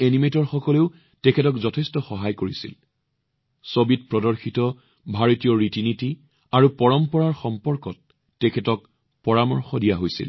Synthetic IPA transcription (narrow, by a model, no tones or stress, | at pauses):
enimetɔɹxɔkɔleʊ | tɛkʰɛtɔkzɔtʰɛstɔxɔɦajkoɹisḭl | sobit̚pɹɔdɔɹxitɔ | bʱaɹotijɔɹitiniti | aɹupɔɹɔmpɔɹaɹxɔmpɔɹkɔtː | ɛkʰɛtɔk̚ | pɔɹamɔɹxɔdijaɦojsḭl